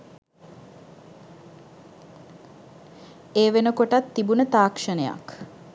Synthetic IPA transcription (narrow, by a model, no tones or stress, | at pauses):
eːʋenəkoʈat̪ːibunət̪aːkʂənəja̰k